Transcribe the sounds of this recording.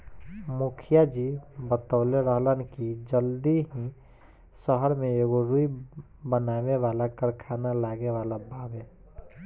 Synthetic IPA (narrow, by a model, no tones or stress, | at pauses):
mukʰjad͡ʒibət̪aleɾəɦlənkid͡ʒəld̪iɦĩ | səɦəɾmẽeɡoɾui | bənaʋeʋalakəɾkʰanalaːɡeʋalabʱaːbe